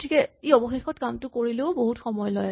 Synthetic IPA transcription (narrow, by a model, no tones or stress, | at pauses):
tʰikɛeɔbɔxexɔtkamtʊkoɹileʊboɦutxɔmɔjɔlɔja